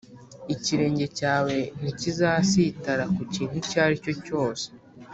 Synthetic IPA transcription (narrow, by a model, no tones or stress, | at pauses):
iciɾe̞ːɲɟe̞caːwe̞n̥icizasitaɾakuciːn̥hucaːɾico̞co̞ːse̥